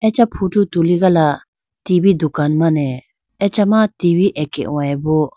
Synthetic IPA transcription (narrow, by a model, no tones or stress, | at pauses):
ɛt͡ʃapʰutut̪uliɡala | tibid̪ukanmanɛ | ɛt͡ʃamat̪ibiʔɛkɛ̰ʔwajbɔ